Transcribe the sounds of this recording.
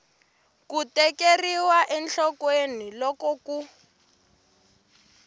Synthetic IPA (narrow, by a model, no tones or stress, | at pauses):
kutɛkeriwaʔɛnt͡ɬɔkwenilɔkɔku